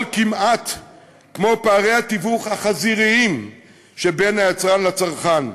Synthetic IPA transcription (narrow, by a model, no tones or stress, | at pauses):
lkimat | kmo̞paːʁejhat̪ivuχhaχaziʁiim | ʃebenhajat͡sʁanlat͡saʁχan